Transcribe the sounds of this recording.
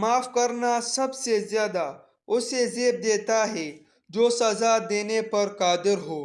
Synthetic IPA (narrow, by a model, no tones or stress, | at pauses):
maːfkɐɾnasɐbsezjaːd̪a | ʊsezeːb̚d̪eːt̪aɦɛ | d͡ʒoːsɐzad̪eːnepɐɾkaːd̪ɪɾɦoː